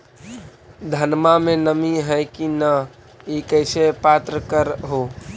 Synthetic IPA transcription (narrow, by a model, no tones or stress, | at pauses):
d̪ʱənmamenəmiɦəjkinə | ikəɪsepat̪ɾəkəɾɦo